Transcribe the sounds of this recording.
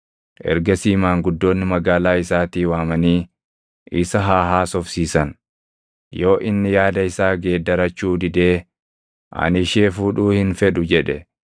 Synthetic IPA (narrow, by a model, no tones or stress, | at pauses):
ʔɛ̰ɾɡɐsiːmaːŋɡʊd̪ːo̞ːnːɪmɐɡaːlaːɪsaːt̪iːwaːmɐniː | ʔɪsɐɦaːɦaːsɔfsiːsɐn | jo̞ːʔɪnːɪjaːd̪ɐɪsaːɡe̞ːd̪ːɐɾɐt͡ʃːuːd̪ɪd̪eː | ʔɐ̰nɪʃeːfuːᶑuːhɪnfɛᶑʊd͡ʒɛᶑɛ